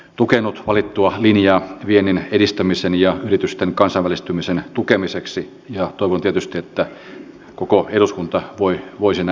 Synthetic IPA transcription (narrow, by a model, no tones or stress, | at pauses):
t̪ukenːˑut̪ʋɑlit̪ːuɑlinjɑːʋienːinedist̪æmisenjɑyrit̪yst̪eŋkɑnsɑʋælist̪ymisent̪ukemiseksi | jɑt̪oiʋont̪iet̪yst̪iet̪ːæ | kokoeɾuskunt̪ɑʋoiʋoisin